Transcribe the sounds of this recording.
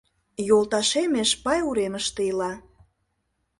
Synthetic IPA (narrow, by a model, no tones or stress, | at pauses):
jolˠt̪ɑʃemeʃpɑjuɾeməʃt̪eilɑ